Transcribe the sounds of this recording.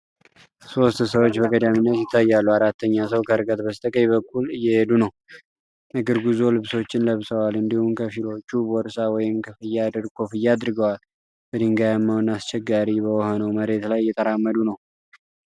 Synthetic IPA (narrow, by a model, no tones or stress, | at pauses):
so̞st̪səwot͡ʃːbəɡʼəd̪aminːət̪jɪt̪ʰːajːalːuaɾat̪ʰːəɲːasəwkʰəɨɾkʼət̪bəst̪ʼəkʼəjbəkʰʼːulɨjːɛhed̪unəw | əɡɨɾɡuzo̞lɨβso̞t͡ʃːɪnləβsʼəwalɨnd̪ihumkʰəfilo̞t͡ʃːubɔɾsawɔjɪmkʰəfɨjːad̪ɾkʰo̞fɨjːaːd̪ɾɨɡəwal | b̥əd̪ɨŋɡajamːawnast͡ʃʰɛɡːaɾibəwɔhonəwməɾe̞t̪lajːɛt̪ʼəɾamːəd̪unəw